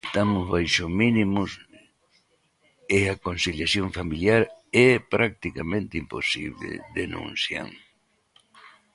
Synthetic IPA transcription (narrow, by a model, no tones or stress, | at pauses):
t̪amʊzβajʃʊzmĩnĩmʊs | eakonsiljaθjõɱfamiljaɾɛpɾak̚t̪ikamẽnt̪ɪimpo̰sḭβlḛðenṵ̃nθja̰ŋ